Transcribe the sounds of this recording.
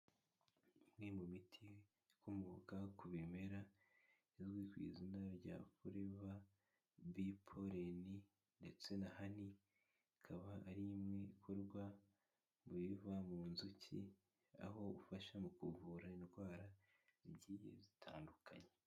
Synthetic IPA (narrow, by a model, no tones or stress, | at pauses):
imŋemumitʰi | kumuɡakuβime̞ɾa | izɡwiːkwḭːzinaɾɟa̰ːfuɾeβa | bipʰo̞ɾeni | nde̞t͡se̞nahani | kʰaβaːɾimŋe̞ikʰoɾɡwa | muβivamuːnzucʰḭ | a̰ɦo̞ufaʃamukuvuɾainɡwaːɾa | iβɟiːjḛzitʰa̰ːndukʰa̰ɲe